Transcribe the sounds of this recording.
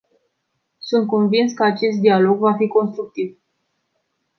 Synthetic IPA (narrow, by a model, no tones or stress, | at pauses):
sunt̪̚ko̞nvinskəat͡ʃe̞s̬t̪̚d̪ialo̞ɡvafiko̞nst̪ɾuk̚t̪iv